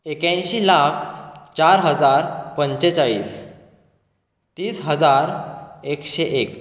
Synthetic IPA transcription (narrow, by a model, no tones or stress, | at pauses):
ekãɕiːlakʰt͡ɕaɾɦəd͡zaɾpəɲt͡ɕet͡saɭḭːs | t̪iːsɦəd͡zaɾekɕeʔek